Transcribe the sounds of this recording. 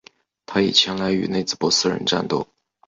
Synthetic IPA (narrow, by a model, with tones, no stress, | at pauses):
t̪ʰa˥ḭ˨˩t͡ɕʰjɛ˧˥nla˧˥ɪy̰˨˧˥ne˥˧ɪt͡sɹ̩˥˩pwɔ˧˥sɹ̩˥˧ɻə̰˧˥nʈ͡ʂa̰˥˧nt̪o̰˥˩ʊ